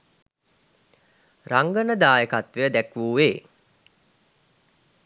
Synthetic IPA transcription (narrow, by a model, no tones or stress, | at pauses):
raŋɡənəd̪aːjəkat̪ʋejəd̪ækʋuːʋeː